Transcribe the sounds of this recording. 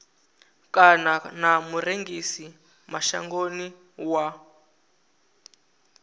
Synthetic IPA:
kananamuɾeŋɡisi | maʃa̰ŋɡoni | wa

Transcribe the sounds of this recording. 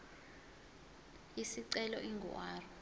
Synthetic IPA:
jisiǀɛlɔ̰ʔiŋɡʱɔ̰waːrɔ

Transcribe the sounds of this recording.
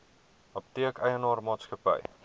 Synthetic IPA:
ɐp̚tiəkɛjənɑːrmɑːtskəpə̰j

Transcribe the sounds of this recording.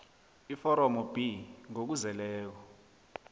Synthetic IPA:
ifɔɾɔmɔb̥iŋok̬uzɛlɛːk̬ɔ

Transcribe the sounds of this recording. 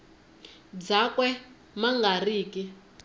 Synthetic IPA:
d͡zakwɛ | maŋɡariːki

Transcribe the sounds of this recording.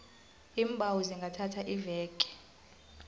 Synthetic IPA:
iːmbʱawuziŋɡʱatʰatʰaʔivɛːkʼɛ̥

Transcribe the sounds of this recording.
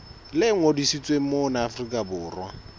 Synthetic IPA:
lɪŋodisit͡sʼweŋ̩monaːfrikʼabʊːrwa

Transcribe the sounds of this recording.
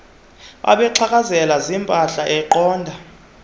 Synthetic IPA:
ɓʔa̰ɓɛǃʰak̬ʼazɛlazimpʼaɬaʔɛǃɔːndʱa

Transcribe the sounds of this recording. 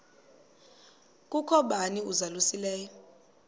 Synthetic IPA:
kʼukʰɔɓaniuzalusilɛːjɔ

